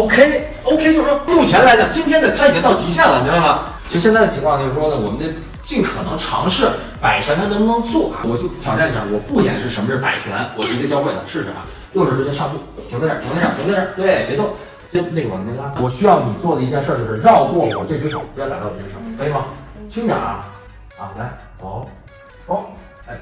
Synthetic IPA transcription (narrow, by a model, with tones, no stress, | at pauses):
o˥ʊkʰe˥ɪ | o˥ʊkʰe˥ɪt͡ɕo˥˧ʊʂʂwɔ˥mu˥˩t͡ɕʰjɛ˧˥nla˧˥ɪd̪ə˧˨t͡ɕi˥nt̪ʰjɛ˥nd̪ə˨˩tkʰa˥˩t͡ɕjɛ˧˥t̪ɑ˥˩ʊt͡ɕi˧˥ɕ̬ja˥˩lə˩ni˧˥be˥˩lə˨˩˥ | ɕɛ˥˧t͡sa˥˩ɪdə˩t͡ɕʰi˧˥ŋkwa˥˧˩t͡ɕjo˧ʂɻ̩˥˧˩ʂwɔ˥nə˨wɔ˨˩mə˦nd̪ə˧ | t͡ɕi˥˩ŋkʰɤ˨˩nɤ˧˥ŋʈ͡ʂʰɑ̰˧˥ŋʂɻ̩˥˩ | pa˨˩ɪt͡ɕʰɥɛ˧˥nt̪ʰa˥nə˧˥pʊ˥˧n˧˥ŋt͡swɔ˥˩ɐ̰˨wɔ˨˩t͡ɕjo˥˩ʊt͡ɕʰjɑ˨˩ŋʈ͡ʂa˥˩n˩ɑ˧˥wɔ˨˩pu˥˩t͡ɕjɛ̰˨˩nʂɻ̩˥˩ə˧˥mə˧t͡ɕo˥˩pa̰˨˩ɪt͡ɕʰɥɛ̰˧˥nwɔ˨˩ʈ͡ʂɻ̩˥˩ɛ˥t͡ɕjɑ˥ʊxwe˥˩ɪd̪ə̰˩ʂɻ̩˥˩ʂɻ̩̰˧˩ɐ̰˧˩ | jo˥˧ʊʂɻ̩˥˩ʈ͡ʂɻ̩˥˧t͡ɕjɛ˥ʂɑ˥˧p̪u˥˩˥tʰt̪e˥˩˥ŋt̪ɑ˧˩i˧˥ŋ˥˩ʂə˥t̪we˥˧˩pjɛ˧˥t̪o˥˩ | t͡ɕɛ˥ne˥˩ɡə˩wm˥˩jt̪a˥˩t͡ɕwɔ˨˩ɕy˥jɑ˥˩ʊni˨˩t͡swɔ˥˩d̪ə˩i˥˧t͡ɕjɛ˥˧ʂə˞˥˩˧t͡ɕjo˥˧ʊʂɻ̩˧ɻɑ˥˧ʊkwɔ˥˩wɔ̰˨˩ʈ͡ʂe˥˧t͡ɕʰi˥ʂo̰˧˩˦ʊ˧˥jla˧˥t̪ːɻ̩˥ʂə˧˩˦kʰa˥˩ɑ˧˥t͡ɕʰi˥ŋʈ͡ʂɑ̰˨˩˦ɐ̰˧ | ɐ˧˩la˧˥˩ɪxɑ˨˩˦ʊ | o˥˩ | la˧˥ɪ